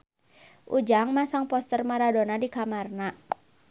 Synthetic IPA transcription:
ʔud͡ʒaŋmasaŋpɔst̪ərmaɾadonadikamarna

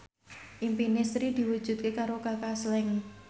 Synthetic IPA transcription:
ʔimpinisɾid̪̥i̤wu̥ʒ̥ṳt̪̚kekaɾokakaslɛŋ

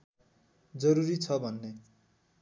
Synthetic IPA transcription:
d͡zʌɾuɾit͡sʰʌbʱʌnːe

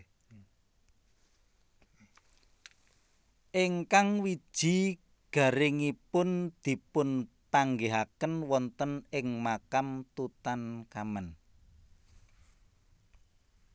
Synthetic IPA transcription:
ʔeŋkaŋwid̥ʒ̥i̤ | ɡ̥ä̤ɾɪŋipʊnd̪̥i̤pʊn | paŋɡeɦakənwɔnt̪ənɪŋmakamt̪ut̪ankamən

